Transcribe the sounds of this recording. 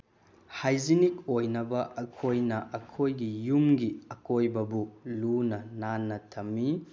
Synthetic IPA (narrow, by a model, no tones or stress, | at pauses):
hajzinik̚ojnɐbɐʔɐkʰojnɐʔɐkʰojɡijumɡiɐkojbɐbulunɐnanːɐtʰɐmːi